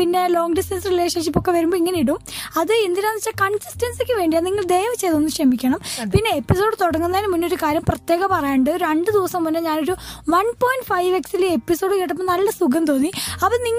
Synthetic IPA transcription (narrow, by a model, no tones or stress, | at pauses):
pinːe̞lo̞ːŋɡɖisʈɐnsrileʂɐnʂipːokːe̞ʋɐɾumboːiŋːɐnejiɽumɐðɨend̪iɾaːnit͡ɕːaːkɐɳsi̥sʈɐnsikʲːɨʋe̞ːɳɖijaniŋːɐɭd̪e̞ːʋɐt͡ɕːe̞jt̪ɐonːɨmkʂɐmikʲːɐɳɐmpinːe̞epːiso̞ːɽɨt̪oɽɐŋːunːɐainɨmːunːo̞ɾukaːɾjɐmprɐt̪jeːɣɐpɐrɐjaɳɖɨɾeɳɖɨd̪iʋɐsɐmːonːeɲaːno̞ɾuʋɐnpoːjɳɖfɐjʋeksilepːiso̞ːɽɨkiʈːɐpːonɐlːɐsuɡɐmt̪o̞ːnːiɐpɐniŋː